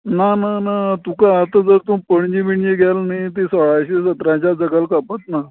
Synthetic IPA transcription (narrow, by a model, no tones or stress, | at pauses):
nananat̪ukaːt̪ad͡zəɾt̪ũpəɳd͡ʑibiɳjeɡʱalnait̪esəɭaɕesət̪ɾãt͡ɕjad͡zəɡəlkapət̪na